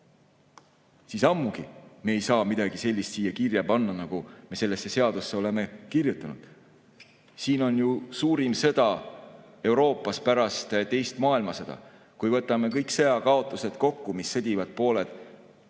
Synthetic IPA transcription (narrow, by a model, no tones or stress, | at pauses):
siːsɑmːuɡimeːjsɑːmid̪̥ɑɡ̥ise̞lʲːist̪siːjɑkirjɑpɑnːɑnɑɡ̥ume̞se̞lːe̞sːe̞se̞ɑd̪usːe̞o̞le̞mekirjut̪ːˑɑnud̪̥ | siːno̞njusuːɾimsɤ̞d̪̥ɑ | e̞uɾo̞ːpːˑɑspæɾɑst̪t̪e̞jst̪mɑːilmɑsɤd̪ɑ̰ | kujvɤt̪ːˑɑme̞kɤjkseɑkɑo̞t̪ːˑuse̞d̪̥ko̞kːumisːɤd̪̥ʲivɑd̪̥̚po̞ːled̪̥